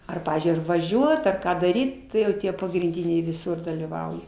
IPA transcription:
ˈɐr ˈpɑːʋʲiːzʲd͡ʒʲʊɪ ɐr ʋɐˈʒʲuɔt ɐr ˈkɑː dɐˈrʲiːt ˈtɐɪ jɛʊ ˈtʲiɛ pɐɡrʲɪnʲˈdʲɪnʲɛɪ ʋʲɪˈsʊr dɐlʲiːˈʋɐʊjɛ

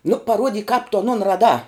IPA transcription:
nʊ pɐˈruɔdʲiːk kɑːp tʊ ɐˈnoːn rɐˈdɑː

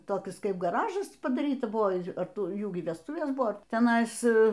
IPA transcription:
toːˈkʲɪs ˈkɐɪp ɡɐˈrɑːʒɐs pɐdɐˈrʲiːtɐ ˈbʊʋoː ˈɐr ˈtʊ ˈjuː iː ʋʲɛsˈtʊʋʲeːs ˈbʊʋoː tʲɛˈnɐɪs

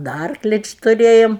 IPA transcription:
dɐ ˈɐrklʲɪ ˈt͡ʃʲɪ tʊˈrʲeːjoːm

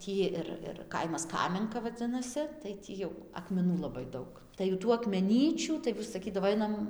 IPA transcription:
ˈtʲiː ɪr ɪr ˈkɐɪmɐs ˈkɑːmʲɛŋkɐ ʋɐˈd͡zʲɪnɐsʲɪ tɐɪ ˈtʲiː jɛʊ ɐkmʲɛˈnuː lˠɐˈbɐɪ ˈdɐʊk ˈtɐɪ jʊ ˈtuː ɐkmʲɛˈnʲiːt͡ʃʲuː tɐɪ sɐˈkʲiːdɐʋoː ˈɐɪnɐm

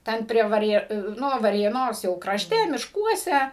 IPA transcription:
ˈtʲɛn pʲrʲiɛ ʋɐˈrʲeː ˈnʊ ʋɐrʲeːˈnoːs jɛʊ krɐʃʲˈtʲɛ mʲɪʃˈkuɔsʲɛ

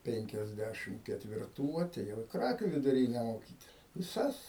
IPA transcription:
ˈpʲɛŋʲkʲɛzʲˌdʲæʃʲɪm kʲɛtʲʋʲɪrˈtuː ɐtʲɛˈjɛʊ ɪ ˈkrɑːkʲuː ʋʲɪdʊˈrʲiːnʲɛ moːˈkʲiːtʲɪs ʋʲɪˈsɐs

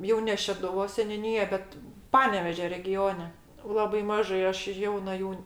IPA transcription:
ˈjɛʊ nʲɛ ʃʲɛdʊˈʋoːs sʲɛnʲʊˈnʲiːjɛ ˈbʲɛt ˈpɑːnʲɛʋʲeːʒʲoː rʲɛˈɡʲoːnʲɛ ˈlˠɑːbɐɪ ˈmɑːʒɐɪ ˈɐʃ ˈjɛʊnɐ ˈjuː

